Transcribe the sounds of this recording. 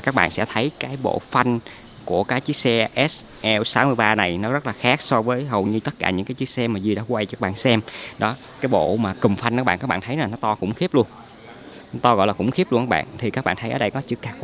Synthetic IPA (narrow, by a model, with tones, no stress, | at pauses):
a˨˩kaː˦˥k̚ɓa̰ː˧˨nsɛ̰˧˥t̪ʰə˨˦jkaː˨˦jɓo̰˧˨fa˧jŋ | ku˧˩əkaː˨˦t͡ɕi˦˥ək̚sɛ˧ʔɛ˦˥s | ʔɛ˧wsaː˨˦wmɨ˧əjɓaː˧na˨˩jnɔ˨˦zə˦˥t̚laː˨˩xaː˦˥k̚sɔ˧vəː˨˦jɦə˨˩wɲɨ˧t̪ə˦˥t̚kaː˧˩ɲɨ̰˧˥ŋkaː˨˦jt͡ɕi˦˥k̚sɛ˧maː˨˩zi˧˩ɗa̰ː˧˦kwa˧jt͡ɕɔ˧kːaː˦˥ɓaː˧˨nsɛ˧mɗɔ˨˦ | kaː˨˦jɓo̰˧˨maː˨˩kɨ˨˩mfa˧jŋʔ̚ːɓ̰aː˧˨kaː˦˥k̚a̰ː˧˨nt̪ʰə˨˦jnaː˨˩nɔ˨˦t̪ɔ˧kʊ̰˧˥ŋ͡mxi˦˥əp̚lu˧ən˨˦ | t̪ɔ˧ɣɔ̰˧˨jlaː˨˩kʊ̰˧˥ŋ͡mxi˦˥əp̚lu˧ŋkaː˦˥ɓa̰ː˧˨nt̪ʰi˨˩kaː˦˥k̚ɓa̰ː˧˨nt̪ə˨˦jʔəː˨˩ɗə˧jkɔ˨˦t͡ɕɨ˦˥kːaː˨˦˥k̚w